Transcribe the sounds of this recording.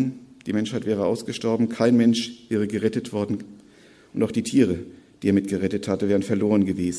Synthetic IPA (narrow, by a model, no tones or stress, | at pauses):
nd̥iːmɛnʃhaɪtv̥ɛːʁ̞əʔaʊsɡ̥əʃtɔɐbm̩kʰaɪnmɛnʃv̥ɛːʁ̞əɡəʁɛtətv̥ɔɐdn̩ | ʔʊntaʊxd̥iːtʰiːʁ̞əd̥iːeːɐmɪtɡ̥əʁɛtəthatəvɛːʁ̞ənfɛɐloːʁ̞ənɡəveːzn̩